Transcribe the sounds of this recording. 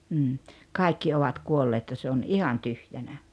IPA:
m̩ː kɑˑi̞kːi oʋɑt kuolːeːt jɑ se on ihɑn tyhjænæ

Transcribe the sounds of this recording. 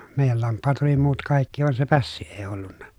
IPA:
meˑijæl lɑmpːɑːt oli muːt kɑˑikːi ʋɑn se pæsːi eˑi olːunːɑ

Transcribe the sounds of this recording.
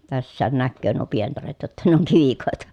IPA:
tæsːæːn nækːøː nuo pientɑret jotːɑ ne oŋ kiʋikoˑetɑ

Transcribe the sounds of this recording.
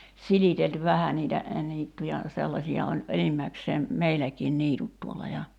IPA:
silitelty ʋæhæ niːtæ niːtːujɑ selːɑsiɑ olʲ enimːækseːm meilækiːn niːtut tuolːɑ jɑ

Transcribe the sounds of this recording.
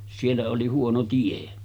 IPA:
sielːæ oli huono tie

